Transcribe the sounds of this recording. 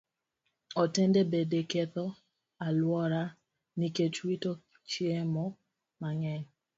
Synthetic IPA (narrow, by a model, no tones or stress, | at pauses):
ɔtendebedeket̪ɔ | alwɔɾa | niket͡ʃwito | t͡ʃjemɔ | maŋɛŋ